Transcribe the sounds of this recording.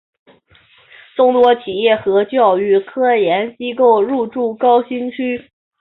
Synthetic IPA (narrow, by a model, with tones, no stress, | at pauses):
ʈ͡ʂʊ˥˩ŋt̪wɔ˥t͡ɕʰi˨˩jɛ˥˩xɤ˧˥t͡ɕjɑ˥˧ʊy˥˩kʰɤ˥jɛ˧˥nt͡ɕi˥ko˥˧ʊɻu˥˧ʈ͡ʂu˥˩kɑ˥ʊɕi˥nt͡ɕʰy˥